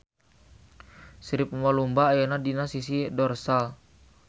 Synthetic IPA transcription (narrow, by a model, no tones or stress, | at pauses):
sɾip̚mɔlumbajɛnadinasisidɔrsal